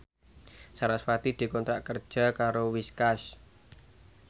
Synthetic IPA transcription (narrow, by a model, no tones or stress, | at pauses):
saɾasfat̪id̪̥i̤kɔnt̪ɾaʔkər̥ʒ̥a̤kaɾowiskaʃ